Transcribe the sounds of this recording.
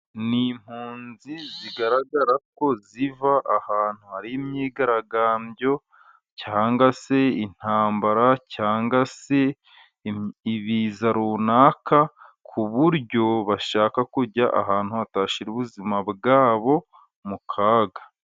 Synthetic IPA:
nim̥huːnziziɡaɾaɡaɾako̞zivaʔahaːn̥huhaɾiimɲiːɡaɾaɡaːmbɟo̞ | caːŋɡase̞in̥haːmbaɾacaːŋɡase̞ | iβiːzaɾuːnaːkakʰuβuɾɟo̞βaʃaːkakuɾɟaʔa̰ɦaːn̥huataːʃiɾuβuzimabɡaːβo̞ | mukʰaːɡa

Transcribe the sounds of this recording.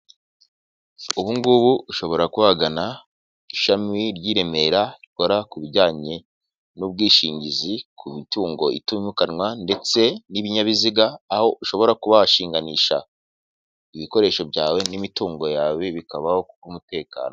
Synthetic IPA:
uβuŋɡuβuuʃo̞βo̞ɾakuhaɡana | iʃamiɾɟiːɾe̞me̞ɾaɾiko̞ɾakuβiɟaːɲe̞ | nub̚ɡiːʃiːɲɟizikʰumituːŋɡo̞ḭtuɲukanwande̞t͡se̞niβiɲaβiziɡaːho̞ʔuʃo̞βo̞ɾakuβaʃiːŋɡaniːʃa̰ | iβiko̞ɾe̞ːʃo̞bɟaːwe̞nimituːŋɡo̞jaːweβikaβahokukumute̞ːka̰ːno

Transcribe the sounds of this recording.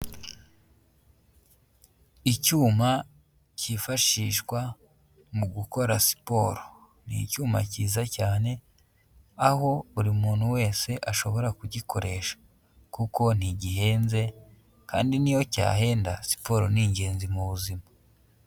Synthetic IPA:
icuːma | ciːfaʃiːʃkwa | muɡuko̞ɾasi̥po̞ɾo | nḭcuːma̰ciːzacaːne̞ | aɦo̞uɾimuːnhuwe̞ːse̞ʔaʃo̞βo̞ɾakuɟikʰo̞ɾe̞ʃḁ | kuko̞n̥iɟiɦe̞ːnze̞ | ka̰ːndinijo̞ca̰ːɦe̞ːnda̰si̥po̞ɾo̞̰niɲɟe̞ːnzimuβuzima

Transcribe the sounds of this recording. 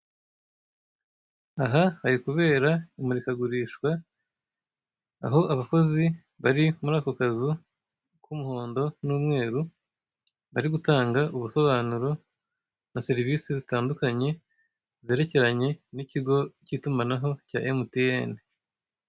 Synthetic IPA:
aɦahaɾikuβe̞ːɾaimuɾikaɡuɾiːʃkwa | a̰ɦo̞ʔaβako̞zi | βaɾimuɾaːko̞kazu | kumuho̞ːndo̞nuːmŋe̞ːɾu | βaɾiɡutaːŋɡaʔuβuso̞βaːnuɾo̞ | naseɾivisizitaːndukaɲe̞ | ze̞ːɾe̞ce̞ɾaɲe̞niciɡo̞citumanaɦo̞ca̰ːʔemutijeni

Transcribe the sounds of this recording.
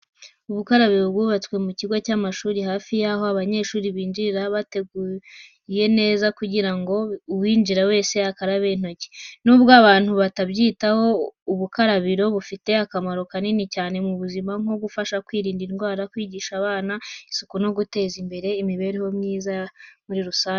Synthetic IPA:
uβukaɾaβiɾo̞bɡuːβat͡swe̞muciɡo̞caːmaʃuːɾihaːfijaɦo̞aβaɲe̞ʃuːɾiβiːnd͡ʒiɾaβate̞ɡu | je̞ne̞ːzakuɟiɾaŋɡo̞uwiːnd͡ʒiɾawe̞ːse̞akaɾaβen̥o̞ce̥nuːbɡaβaːn̥huβatabɟiːtaho̞uβukaɾaβiɾo̞βufite̞akamaɾo̞kaninicaːne̞muβuzimaŋ̥o̞ɡufaʃakwiːɾiːndinɡwaːɾakwiːɟiːʃaβaːnaisu̥kuno̞ɡute̞ːzimbe̞ɾe̞imiβe̞ɾeho̞mɲiːzamuɾiɾusaː

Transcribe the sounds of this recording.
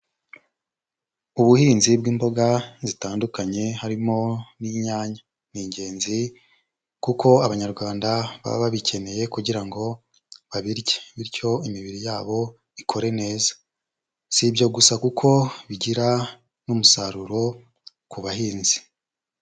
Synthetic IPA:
uβuhiːnzibɡiːmbo̞ɡazitaːndukaɲe̞haɾimo̞niɲaːɲa | niːɲɟe̞ːnzi | kukʰo̞aβaɲaɾɡwaːndaβa̰βaβicʰe̞ne̞je̞kuɟiɾaŋɡo̞ | βaβiɾɟeβiɾco̞imiβiɾijaːβo̞ | ikʰo̞ɾe̞ne̞ːzḁ | sibjo̞ɡusakukʰo̞βiɟiɾa | numusaɾuɾo̞ | kuβahiːnzi̥

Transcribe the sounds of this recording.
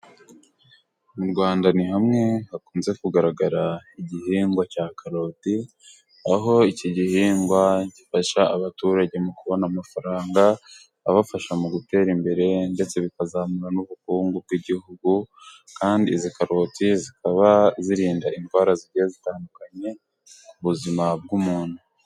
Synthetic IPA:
muɾɡwaːndanihamŋe̞hakuːnze̞kuɡaɾaɡaɾaiɟihiːŋɡwacaːkʰaɾo̞ːti | aɦo̞iciɟihiːŋɡwaɟifaʃaːβatuɾaɟe̞mukuβo̞namafaɾaːŋɡa | aβafaʃamuɡute̞ːɾimbe̞ɾe̞nde̞t͡se̞βikazamuɾanuβukuːŋɡub̚ɡwiɟihuɡu | kaːndiːzikaɾo̞tizikaβaziɾiːndaʔinɡwaːɾaziɾɟiezitaːndukaɲe̞ | uβuzimab̚ɡumuːn̥hu

